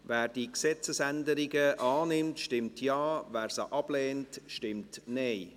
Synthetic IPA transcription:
vɛːɾd̥iksɛt͡səsɛndəɾiɡəʔɑːnɪmtʃtɪmtʰjɑːvɛːɾsaʔɑb̥leːntʃtɪmtneɪ

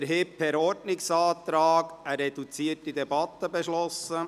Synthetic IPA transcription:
ɾɦɪpʰhɛɾɔɾtnɪksɑːt̪ɾɑːɡəɾɛd̥ut͡siətːidɛbɑt̪ːəbɛʃlɔsə

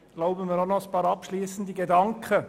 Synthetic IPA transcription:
ɡ̥laʊbənmɪːɾonɔspɑːɾɑpʃliːsən̩d̪iɡedɑŋkχə

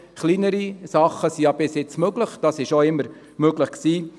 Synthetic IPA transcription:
χlinəɾisɑχəsijɑbɪsɪt͡smøɡləχd̥ɑsɪʃoɪmːəɾ | møɡləχksiː

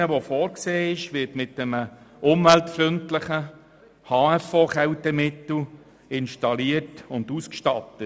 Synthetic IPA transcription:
əʋofɔːɾkseːɪʃʋɪɾtmɪtːɛməʔʊmvɛltfɾʏntləχə | hɑːɛfoːχɛwtəmɪtl̩ | ɪnʃtɑliətʊnduskʃtɑtə

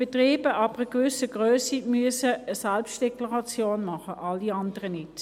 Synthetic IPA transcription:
b̥etʁiːb̥əʔɑb̥əʁəkvʏsəɡʁøːsimyəsəːsælpstd̥ɛklɑʁɑt͡sjoːnmɑχəʔɑlːiɑndəʁənɪt

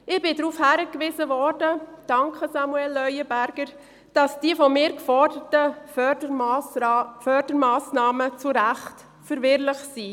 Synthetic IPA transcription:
ɪb̥ɪdɾuːfhæɾəkʋɪzəʋɔrdəd̥ɑŋkχəsɑmuɛlːœʏəbæɾɡ̥əɾ | d̥ɑsd̥iəfɔmɪːɾkfɔɾdətədə | fœɾdəɾmɑːsnɑːmət͡suɾæχt | fəɾʋɪɾlɪχsi

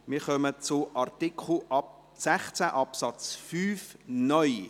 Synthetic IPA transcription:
mɪːχœmət͡sʊʔɑrt̪ikʰl̩ʔɑp | sɛχt͡sæʔɑpsɑt͡sfyːfnœʏ

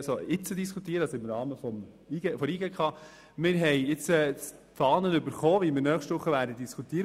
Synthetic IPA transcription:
soɪt͡sədiskʰut̪iːəɾəɑsɔɪmɾɑːməfɔm | iɡɛfɔɾiɡɛkʰχɑː | mɪɾɦɛjɪt͡sɛ | fɑːnənʏbəɾχɔːʋimɪɾnœːχʃtʋʊχːəʋæːɾdədiskʰut̪iːəɾə

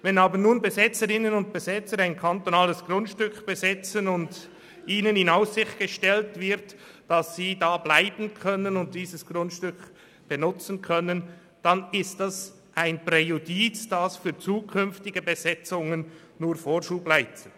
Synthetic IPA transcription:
vɛnaːbənuːnbezɪt͡səɾɪnənʊnt̚b̥ezɛt͡səɾaɪnkʰant̪onaːləsɡ̥rʊntʃtʏkb̥ezɪt͡sənʊnd | ʔiːnənɪnaʊsɪçtɡ̥əʃtɛltv̥ɪʁt | d̥ɑsːiːdaːblaɪbən̩kʰœnənʊnt̚d̥iːzəsɡ̥ʁʊntʃtʏk | b̥enʊt͡sn̩kʰœnən | d̥anɪstdas | ʔaɪnprejudiːt͡sd̥asfyːt͡suːkʰʏnftɪɡəbezɛt͡sʊŋənː | uːɾfoːɾʃuːblaɪt͡sə

